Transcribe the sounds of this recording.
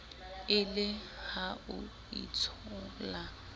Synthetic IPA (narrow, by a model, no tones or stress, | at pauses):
ɪlɪhaʊ | ḭt͡sʰɔla